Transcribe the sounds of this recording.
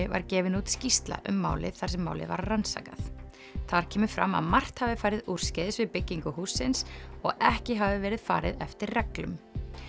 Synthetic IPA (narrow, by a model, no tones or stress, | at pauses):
ɪva̰ɾcɛːvɪnut̪scist̪la̰ʔʏmːa̰ːwlɪ̰ðθaɾ̥sɛmːaːwlɪ̰va̰ɾːansa̰ːkaθ | θaɾ̥cʰɛːmʏfɾa̰ma̰ðmar̥t̪havɪfaːjɾɪður̥scɛðɪsvɪðpɪcːiŋkʏhuːsːɪnsɔɣɛhcɪɦavɪvɛːɾɪðfa̰ːɾɪ̰ðɛft̪ɪɾrɛklʏm